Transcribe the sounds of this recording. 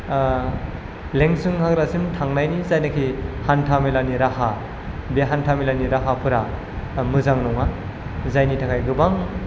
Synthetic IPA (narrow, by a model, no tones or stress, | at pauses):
leŋsɯŋhaɡɾasimtʰaŋnajnizajnakʰihantʰamilaniɾaha | beɦantʰamilaniɾaɦapʰɯɾa | mɯzaŋnɔŋa | zajnitʰakʰajɡɯbaŋ